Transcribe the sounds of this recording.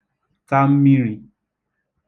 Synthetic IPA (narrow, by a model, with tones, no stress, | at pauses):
ka˦m̩˦mĩ˦ɾ̃ĩ˨